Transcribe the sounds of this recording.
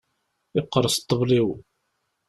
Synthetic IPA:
ɪqːəɾˤəst̪ˤːəvliw

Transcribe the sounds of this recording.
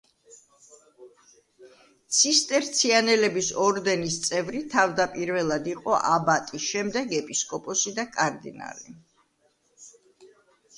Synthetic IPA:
t̪sʰist̪ʼɛɾt̪sʰianɛlɛbisɔɾd̪ɛnist̪sʼɛvɾit̪ʰavd̪apʼiɾvɛlˠad̪iqʼɔʔabat̪ʼisʃɛmd̪ɛɡɛpʼiskʼɔpʼɔsid̪akʼaɾd̪ḭna̰lḭ

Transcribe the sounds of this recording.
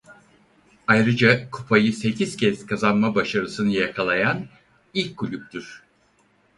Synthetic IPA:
ajɾɯd͡ʒakʰupʰajɯse̞cʰiz̥cʰɛz̥kʰazanmabaʃaɾɯsɯnɯjakʰalˠajan | ilʲc̚ɡulʲyp̚t̪yɾ̥

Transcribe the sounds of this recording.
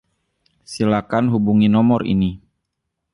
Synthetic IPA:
silakanɦubuŋinɔmɔrḭni

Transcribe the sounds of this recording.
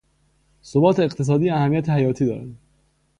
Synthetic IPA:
sobɒːt̪ʰeːqt̪ʰe̞s̬ɒːd̪iːæhæmːijæt̪ʰehæjɒːt̪ʰiːd̪ɒ̰ːɾæ̰d̪

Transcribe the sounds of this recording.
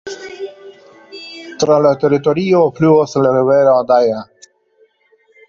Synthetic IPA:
t̪ɾalat̪eɾitoɾiofluoslaɾiveɾaad̪aja

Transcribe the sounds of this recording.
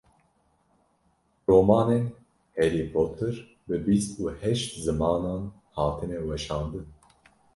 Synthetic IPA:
roːmɑːnen | heɾipʰop̚t̪ʰːɨɾ | bɨbist̪uːhɛʃt̪zɨmɑːnɑːn | hɑːt̪ʰɨnɛwɛʃɑːnd̪ɨn

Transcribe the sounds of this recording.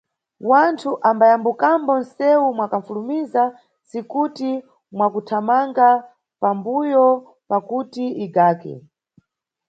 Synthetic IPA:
wantʰuʔambajambukambɔnsɛwumwakaɱfulumiza | sikuti | mwakutʰamaŋɡa | pambujɔ | pakutiʔiɡaːkɛ̰

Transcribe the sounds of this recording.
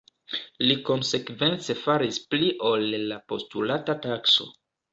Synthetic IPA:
liko̞nse̞kve̞nt͡se̞faɾispliʔo̞lːapo̞stulatatakso̞̰

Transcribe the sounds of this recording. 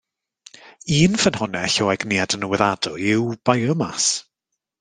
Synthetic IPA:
iːnfənhʊnɛɬoːɛɡniadənəwɛðadʊɪwb̥ajɔmas

